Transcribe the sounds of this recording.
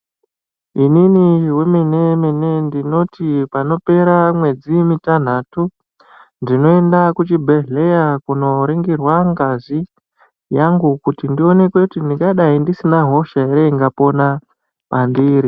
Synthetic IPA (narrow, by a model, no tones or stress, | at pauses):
ininiweminemenendino̞tipano̞pe̞ɾamwe̞d͡zimitan̤atu | ndino̞e̞ndakut͡ʃibʱee̞jakuno̞ɾiŋɡirwaŋɡazi | jaŋɡukutindio̞ne̞kwekutindikaɗaindisinaɦo̞ʃaeɾeiŋɡapo̞na | pandiːɾi